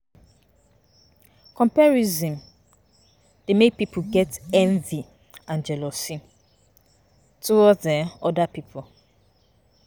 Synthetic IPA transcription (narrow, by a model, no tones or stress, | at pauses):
kʰɔ̃mpɛɹizĩm | d̥emepipʰoɡɛtɛ̃ɱvi | ãnd͡ʒɛlɔsĩ | tʰuɔɛɔdapipʰo